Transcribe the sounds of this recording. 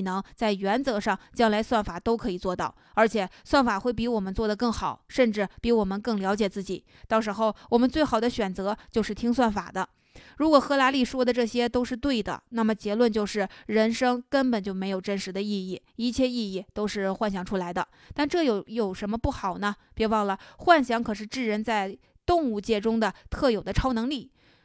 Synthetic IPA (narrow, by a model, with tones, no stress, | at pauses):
nɤ˧˥ŋt͡sa˥˩ɪɥɛ˧˥nt͡sɤ˧˥ʂɑ˥˩ŋt͡ɕjɑ˥ŋla˧˥ɪswa˥˩nfa˨˩t̪o˥ʊkʰɤ˧˥i˨˩t͡swɔ˥˧t̪ɑ˥˩ʊə˞˧˥t͡ɕʰjɛ˨˩swa˥˩nfa˨˩xwe˥˩ɪp̬i˧˥wɔ˨˩mə˦nt͡swɔ˥˩d̪ə˩kɤ˥˩ŋxɑ˨˩˦ʊʂə˥˧nʈ͡ʂɻ̩˥˩pi˧˥wɔ˨˩mə˦nkɤ˥˩ŋljɑ˧˥ʊ̯t͡ɕjɛ˨˩t͡sɹ̩˥˩t͡ɕi˨˩˦ | t̪ɑ˥˩ʊʂ̬ɻ̩˧˥xo˥˧ʊwɔ˨˩mə˦nt͡swe˥˩xɑ˨˩ʊd̪ə˦ɕɥɛ˨˩nt͡sɤ˧˥t͡ɕjo˥˧ʊʂɻ̩˥˩t̪ʰi˥ŋswa˥˩nfa̰˨˩d̪ə˦ | ɻu˧˥kwɔ˨˩xɤ˧˥la˧˥li˥˩ʂwɔ˥d̪ə˨ʈ͡ʂɤ˥˩ɕjɛ˥t̪o˥ʊʂɻ̩˥˧t̪̬we˥˩ɪd̪ə̰˩na˥˩mə˩t͡ɕjɛ˧˥lwə˥˧nt͡ɕjo˥˧ʊʂɻ̩˥˩ɻə˧˥nʂɤ˥ŋkə˥npə˨˩nt͡ɕjo˥˩ʊme˧˥ɪjo˨˩ʊʈ͡ʂə˥nʂɻ̩˧˥d̪ə˧i˥˧i˥˩ | i˥˩t͡ɕʰjɛ˥˧i˥˧i˥˩t̪o˥ʊʂɻ̩˥˧xwa˥˩nɕjɑ˧˥˩ŋʈ͡ʂʰu˥la˧˥ɪd̪ə̰˧ | t̪a˥˧nʈ͡ʂɤ˥˩jo˨˧˩ʊjo˨˩ʊʂə˧˥nmə˧pu˥˩xɑ˨˩ʊnə˦pjɛ˧˥wɑ˥˩ŋlə˩xwa˥˩nɕjɑ˧˥ŋkʰɤ˨˩ʂ̬ɻ̩˥˧ʈ͡ʂɻ̩˥˩ɻə˧˥nt͡sa˥˧ɪ | t̪ʊ˥˧ŋu˥˧t͡ɕjɛ˥˩ʈ͡ʂʊ˥ŋd̪ə˨t̪ʰɤ˥˩jo˨˩ʊd̪ə˦ʈ͡ʂʰɑ˥ʊnɤ˧˥ŋli˥˩